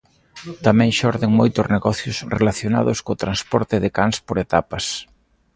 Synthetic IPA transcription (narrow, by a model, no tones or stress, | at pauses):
t̪amɛ̃ŋʃɔɾðɪŋmojt̪ʊzneɣɔθjʊsrḛlaθjona̰ðʊskoːt̪ɾanspɔɾt̪ɪðɪkaŋspoɾet̪apɐs